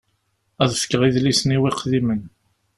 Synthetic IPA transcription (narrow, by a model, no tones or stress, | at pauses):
æðfə̥kːʁiðlisniwiqðimən